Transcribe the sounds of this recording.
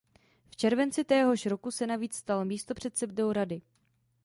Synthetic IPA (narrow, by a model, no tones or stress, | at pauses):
ft͡ʃɛɾvɛnt͡sɪt̪ɛːɦo̞ʃɾo̞kusɛnaviːt͡sst̪almiːst̪o̞pr̝̥ɛt̪sɛb̚dowɾadɪ